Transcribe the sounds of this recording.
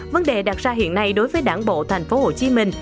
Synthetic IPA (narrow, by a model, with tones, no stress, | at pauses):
və˨˦nɗe˨˩ɗa˨˩t̚zaː˧ɦḭ˧˨ənːa˧jɗo˨˦jvəː˨˦jɗaː˧˩ŋɓo̰˧˨t̪ʰa˨˩jŋ̟fo˨˦ho˧˨˩t͡ɕi˨˦mï˧˩ŋ̟